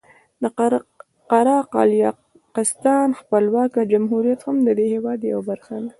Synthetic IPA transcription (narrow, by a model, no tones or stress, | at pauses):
d̪ə | qaɾɑqɑ̰ljɑ | qɪst̪ɑnxpəlwɑkad͡ʒamɦuɾijat̪hamd̪əd̪ehewɑd̪ja̰wbaɾxad̪a